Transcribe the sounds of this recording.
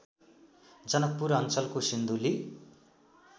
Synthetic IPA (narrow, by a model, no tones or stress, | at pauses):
d͡zʌnʌk̚puɾʌnt͡sʌlkosind̪uli